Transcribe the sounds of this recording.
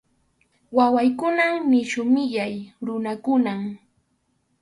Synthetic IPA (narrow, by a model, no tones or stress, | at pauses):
wawajkʊnamnɪʃʊmɪʎajɾʊnakʊnam